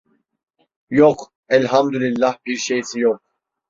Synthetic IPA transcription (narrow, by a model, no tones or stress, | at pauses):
jɔq | ɛlɦamd̪ulilːahpʰiɾʃɛjsʰijɔq̚